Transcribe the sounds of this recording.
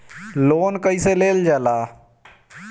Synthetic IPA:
loːnkəiseleːld͡ʒaːlaː

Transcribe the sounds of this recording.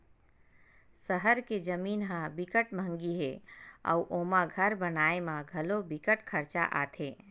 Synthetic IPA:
səɦəɾked͡ʒəminɦãbikəʈmə̃ŋɡiɦea̰uʔomãɡʱəɾbənaemaɡʱəlobikəʈkʰəɾt͡ʃa̰ʔa̰t̪ʰe

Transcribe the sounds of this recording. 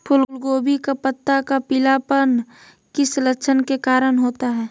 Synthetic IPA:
pʰʊllɡoːbikapət̪ːakapɪlapən | kɪslət͡ʃʰənkekaːɾənɦoːt̪aɦɛː

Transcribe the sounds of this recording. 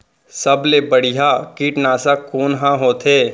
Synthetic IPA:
səblebɐɽ̤ɪɦakiːʈnaːsakoːnɦãɦoːt̪ʰeː

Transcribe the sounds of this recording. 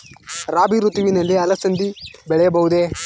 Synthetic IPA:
ɾaːbiɾut̪uʋinɐlːeɐlɐsɐnd̪ibɛɭejɐbɐɦud̪e

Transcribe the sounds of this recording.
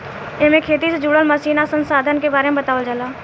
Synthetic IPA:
emẽkʰeːt̪ised͡ʒuːɽəlməsiːnasə̃nsaːd̪ʱənkebaːɾemẽbət̪aːʋəld͡ʒalaː

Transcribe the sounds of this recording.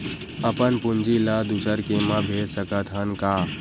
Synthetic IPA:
əpənpʊnd͡ʒilad̪usəɾkemãbʱeːd͡ʒsəkət̪ʰɦənkaː

